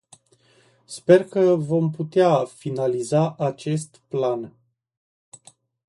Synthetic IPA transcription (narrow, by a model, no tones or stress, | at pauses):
spe̞rkəvo̞mput̪eafinalizaʔat͡ʃe̞st̪plan